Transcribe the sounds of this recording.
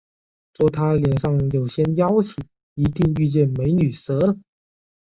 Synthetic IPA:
t͡swɔ˥˩t̪ʰa˥ljɛ˨˩nʂɑ˥˩ŋjo˨˩ʊɕjɛ˥njɑ˥ʊt͡ɕʰi˨˩˦ | i˧˥t̪i˥˧ŋy˥˧t͡ɕjɛ˥˩nme˧˥ɪny˨˩sɤ˧˥lə˧˨

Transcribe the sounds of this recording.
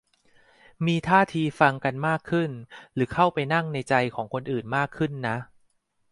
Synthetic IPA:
miː˧t̪ʰaː˥˩t̪ʰiː˧fa˧ŋka˧nmaː˥˩kʰːɯ˥˩nɾɯː˩˦kʰa˥˩wpa˧jna˥˩ŋna˧jt͡ɕa˧jkʰɔː˩˦ŋkʰo˧nʔɯː˨˩nmaː˥˩kʰːɯ˥˩nːa˦˥ʔ

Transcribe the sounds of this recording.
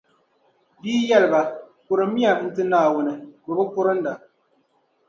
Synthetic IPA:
biː˦jɛ˦lɨ˨ba˨kʊ˨ɾɨ˨˦mi˦a˨˦n̩˦tɨ˦naː˦˨wo˨nɨ˨ko˨bɨ˦kʊ˦ɾɨ˦n̩˦da˨

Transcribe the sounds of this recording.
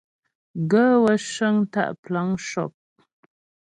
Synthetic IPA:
ɡə˦wə˦ʃə˦ŋta̰˦˨ʔpla˦ŋʃɔ˨p̚

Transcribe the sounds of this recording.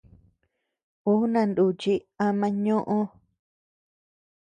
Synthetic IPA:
u˦nã˧nd̪u˧˨t͡ʃi˦a˧mã˧ɲõ˦ʔõ˦

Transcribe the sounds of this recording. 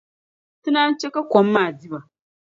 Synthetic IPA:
tɨ˦naː˦n˦t͡ʃe˦ka˦kʷɔ˨mːaː˨di˦ba˨

